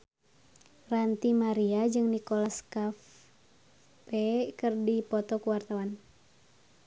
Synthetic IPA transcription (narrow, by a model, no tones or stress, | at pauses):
rant̪imaɾiad͡ʒɨŋnikolaskaf | pɛkɨrdipɔt̪ɔkuwart̪awan